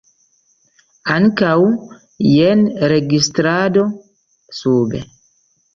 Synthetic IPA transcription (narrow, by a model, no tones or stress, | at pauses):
aŋkaw | jenɾeɡistɾado | subḛ